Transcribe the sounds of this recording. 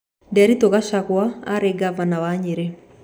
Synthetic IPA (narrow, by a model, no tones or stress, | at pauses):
ndɛaɾitoɣaʃaɣwaaɾeɡavanawaɲeɾɛ